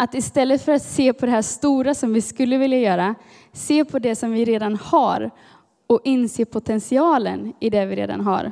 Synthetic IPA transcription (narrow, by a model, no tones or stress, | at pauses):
at̪ɪst̪ɛlːət̪fœɾat̪seːpʰɔd̪ɛɦæːʂt̪uːɾasɔmvɪskɵlːəvɪljajœːɾa | seːpʰɔd̪ɛsɔmvɪɾeːd̪anhaɾ | ɔɪnseːpʰʊt̪ʰɛnsɪɑːlə̰nɪd̪ɛvɪɾḛːd̪a̰nɦa̰ɾ